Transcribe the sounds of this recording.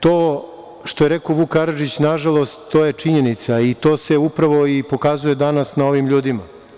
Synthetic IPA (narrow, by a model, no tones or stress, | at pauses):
t̪oː | ʃt̪ojeɾeko̞ʋukaɾaʒit͡ɕnaʒalˠo̞st̪ːoje̞t͡ʃiɲe̞nit̪sait̪o̞ːse̞upɾaʋo̞ipo̞kazuje̞d̪anasnao̞ʋimʎuːd̪ima